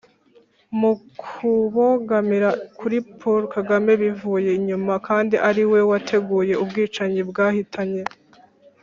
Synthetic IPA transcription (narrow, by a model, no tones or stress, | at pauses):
mukʰuβoɡamiɾakuɾipʰoɾkaɡame̞βivuːje̞ɲumakaːndiʔaɾiwe̞watʰe̞ɡuːje̞ubɡiːt͡ʃaɲibɡaːhitʰaɲe̞